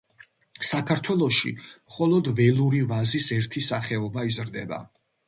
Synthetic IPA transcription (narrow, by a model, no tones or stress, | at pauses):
sakʰaɾt̪ʰwɛlˠɔʃḭmχɔlˠɔd̪vɛlˠuɾivazisɛɾt̪ʰisaχɛɔbaizɾd̪ɛba̰